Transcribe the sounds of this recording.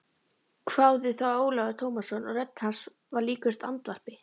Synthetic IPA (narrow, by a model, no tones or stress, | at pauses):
kʰv̥aːwðɪθawoːwlaɣat̪ʰowmasːɔnɔɣrɛt̪ːhans | vaɾliːkʏst̪a̰nt̪var̥pɪ